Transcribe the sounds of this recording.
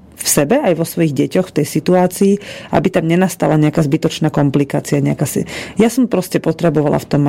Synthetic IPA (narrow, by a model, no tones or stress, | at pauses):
fsɛbɛajʋɔsʋɔjiɣɟɛcɔxft̪ɛjsit̪uaːt͡siːa̰bit̪amɲɛnast̪alaɲɛakaːzbit̪ɔt͡ʃnaːkɔmplikaːt͡siaɲɛakasijasɔmpɾɔscɛpɔt̪ɾɛbɔʋala̰ft̪ɔm